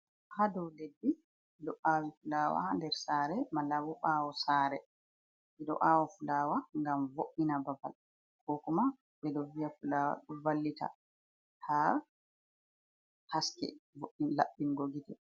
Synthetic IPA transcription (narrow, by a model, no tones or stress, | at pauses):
hadɔwlebːi | dɔʔawifulawa̰handɛɾsaːɾɛmalːawɔɓawɔsaɾɛ | ɓɛɗɔ̰ʔaːwɔfulaːwaŋɡamvoʔːinababa̰l | kɔkuma | ɓɛdɔvijafulawa̰ɗubalːita̰ | ha | haskɛ̰voʔinla̰ɓːinɡoɡitɛ